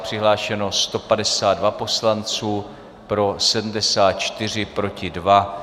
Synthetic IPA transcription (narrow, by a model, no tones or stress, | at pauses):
pr̝̥ɪɦlaːʃɛno̞st̪o̞padɛsaːd̪dvapo̞slant͡suː | pɾo̞sɛdm̩dɛsaːt̪̚t͡ʃt̪ɪr̝ɪpɾo̞cɪdva